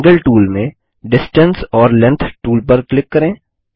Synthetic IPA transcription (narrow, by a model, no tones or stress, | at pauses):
ɡəlʈuːlmẽ | ɖɪsʈə̃nsɔːɾlɛ̃nt̪ʰʈuːlpɐɾklɪkːɐɾẽː